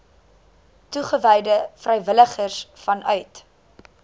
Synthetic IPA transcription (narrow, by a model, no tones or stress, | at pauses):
tuχəvɛjdəfrɛjvələχərsfɐnʔœɥt